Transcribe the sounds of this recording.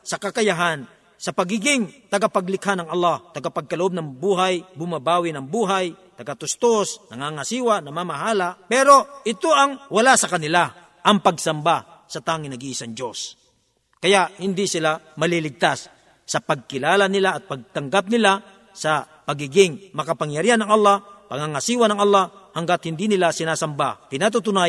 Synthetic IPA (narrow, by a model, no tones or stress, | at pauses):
sɐkɐkɐjaɦan | sɐpɐɡiɡɪŋt̪ɐɡapɐɡlɪkhanɐŋɐlˠːɑht̪ɐɡapɐɡ̚kɐlʊʔob̚nɐŋbuːɦajbʊmabaːwɪnɐŋbuːɦajt̪ɐɡat̪ʊst̪osnɐŋaːŋasiːwanɐmamaɦaːlapɛːɾoʔɪt̪oʔɐŋwɐlasɐkɐnɪla | ʔɐŋpɐɡsɐmba | sɐt̪aːŋɪnɐɡiʔsɐŋd͡ʒos | kɐjaʔhɪnd̪isɪlamɐlilɪɡ̚t̪asː | ɐpɐɡ̚kɪlaːlanɪlaːt̪̚pɐɡ̚t̪ɐŋɡap̚nɪla | sɐpɐɡiːɡɪŋmɐkɐpaŋjɐɾianɐŋɐlːapɐŋaŋasiːwanɐŋɐlːahɐŋɡat̪̚hɪnd̪inɪlasɪnaːsɐmbapɪnat̪ut̪ʊna